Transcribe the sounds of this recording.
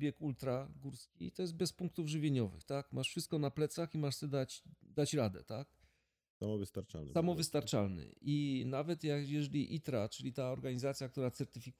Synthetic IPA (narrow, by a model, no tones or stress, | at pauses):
bʲjɛkult̪ɾaɡuɾskʲḭt̪ɔjɛsd̪bɛspuŋk̚t̪uvʐɘvʲjeɲɔvɘ̰xt̪akmʔaʂfʂɘst̪̚kɔnaplɛt̪saximaʂsɛd̪at͡ɕd̪at͡ɕɾad̪ɛ̰t̪ak | samɔvɘst̪aɾt͡ʂa̰lnsamɔvɘst̪aɾt͡ʂalnɘ̰ʔinavɛt̪jakjɛʐɛlʲiʔit̪ɾat͡ʂɘlʲit̪aɔɾɡaɲizat̪sʲjak̚t̪uɾat̪sɛɾt̪ɘfʲik